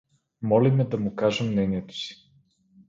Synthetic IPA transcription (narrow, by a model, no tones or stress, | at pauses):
mɔlimɛd̪ɐmʊkaʒɛmːnɛniɛt̪o̥si̥